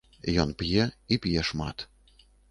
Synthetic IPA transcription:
jɔnpʲjɛipʲjɛʂmat̪

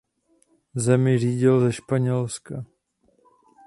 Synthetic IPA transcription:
zɛmɪʒiːɟɪlzɛʃpaɲɛlska

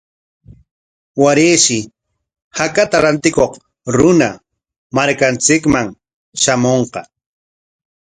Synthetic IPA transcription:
waɾeːʃɪ | hakat̪aɾant̪ɪkoq | ɾʊna | maɾkant͡sɪkmaŋ | ʃamoɴqɑ

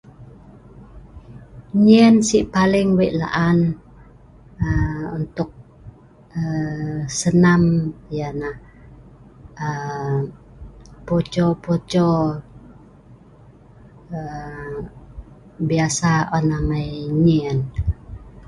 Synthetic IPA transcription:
ɲiənsiʔpalɪŋwɛʔla̰ʔan | əunt̪ʊk̚ | əsənamjanah | ə | pot͡ʃopot͡ʃɔ | ə | biasaɔnamajɲiən

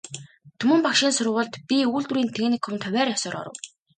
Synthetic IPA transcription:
t̪ʰɵmɵ̆mpakʃiːnsʊrʊ̆ʁə̆ɮt̪pʲiuːɮt̪uɾiːnt̪ʰeɣnĭkʰxɵmt̪ʰœwʲæːɾjɔsɔːɾɔ̰ɾə̰̆w

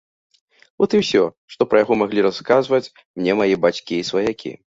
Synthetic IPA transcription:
vɔt̪ɨwsʲɔ | ʂt̪ɔpɾɐjaɣɔmaɣlʲiɾaskazvɐt͡sʲ | mnʲɛmajɛbat͡sʲkʲiːsvɐjakʲḭ

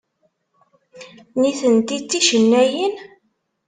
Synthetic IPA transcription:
niθənt̪it͡sːiʃənːæjin

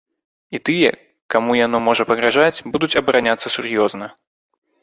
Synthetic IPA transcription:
it̪ɨjɛ̰ | kamujan̪ɔmɔʐɐpɐɣɾaʐat͡sʲbud̪ut͡sʲɐbɐɾanʲat̪sːɐsʲurjɔznɐ

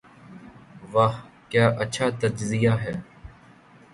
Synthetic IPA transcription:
ʋahkjaːʔəːʃʰaːt̪əd͡ʒzɪjaːɦɛː

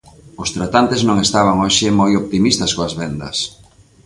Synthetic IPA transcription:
ʊst̪ɾat̪ant̪eznõŋest̪aβ̞aŋoʃɪmojop̚t̪imist̪ɐskoazβɛnd̪ɐ̰s

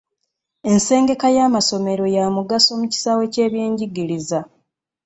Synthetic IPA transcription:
e̞nse̞ːŋɡe̞kajaːmaso̞me̞ɾo̞jaːmuɡaso̞muci̥saːwe̞ce̞ːβje̞ːɲɟiɡiɾiza

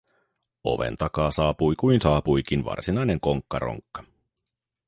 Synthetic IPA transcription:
o̞̰ʋe̞̰nt̪ɑkɑːsɑːpujkujnsɑːpujk̟inʋɑ̰rsinɑjne̞ŋko̞ŋkːɑɾo̰ŋkːɑ̥

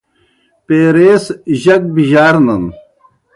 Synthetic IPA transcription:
peːɾeːsʑɐk̚biʑaːɾnɐn

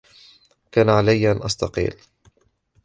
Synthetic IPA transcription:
kaːnaʕalajːʔanʔɑsˤt̪ɑqḭːl

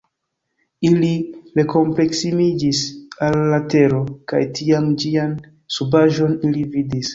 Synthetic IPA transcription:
iliɾe̞ko̞mple̞ksimid͡ʒisalːate̞ɾokajtiamd͡ʒian | subaʒo̞nilividis

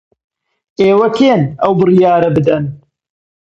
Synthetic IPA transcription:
eːwɐkʰeːnɐwbɨrijaːɾɐbɨd̪ɐn

